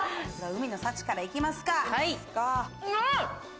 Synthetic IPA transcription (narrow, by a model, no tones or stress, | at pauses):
sɨɾaɯ̟mʲino̞sat͡ɕi̥kaɾaikʲimasɨ̥kaka